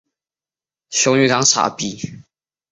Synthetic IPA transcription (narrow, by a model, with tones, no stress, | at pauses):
ɕʊ˧˥˦ŋy˧˥ka˧˥ŋsʰa̰˨˩pi˥˩